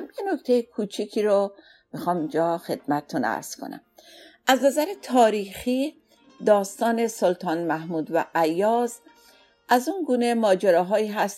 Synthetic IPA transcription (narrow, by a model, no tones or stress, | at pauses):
mjenokt̪ʰejkʰut͡ʃʰikʰiːɾo | mixɒːmind͡ʒɒːxed̪̥mæt̪et̪ʰunæ̰ɾz̥kʰo̰næ̰mæznæzæɾet̪ʰɒːɾiːxiː | d̪ɒːst̪ɒːne̞solt̪ʰɒːnmæhmuːd̪væ̰ʔæjːɒːz | æzunɡuːnemɒːd͡ʒeɾɒːɦɒːiːɦæst̪